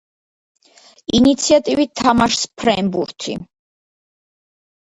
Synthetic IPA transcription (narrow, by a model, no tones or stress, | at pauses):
init̪sʰiat̪ʼivit̪̚t̪ʰːamaʃspʰɾɛnbṵɾt̪ʰḭ